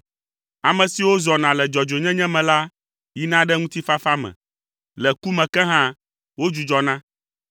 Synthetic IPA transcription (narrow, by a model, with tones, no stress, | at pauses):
a˨mɛ̃˨si˨wo˦zɔ˨nã˨lɛ˨d͡ʒɔ˨d͡ʒo˨ɲɛ̃˦ɲɛ̃˦mɛ̃˨la˦ | ji˦nã˦ɖɛ˦ŋũ˦t̪i˦fa˦fa˦mɛ̰̃˨ | lɛ˨ku˦mɛ̃˨kɛ˦ɦã˦ | wo˦d͡ʒu˨d͡ʒɔ˨nã˦